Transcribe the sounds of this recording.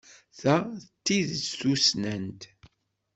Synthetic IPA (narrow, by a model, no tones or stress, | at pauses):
θæət̪ːiðθusnənt̪